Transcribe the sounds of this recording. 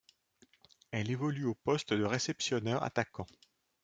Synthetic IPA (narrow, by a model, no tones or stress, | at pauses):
ɛlevɔlyopɔst̪d̪əʁesɛpsjɔnɛʁa̰t̪akɑ̃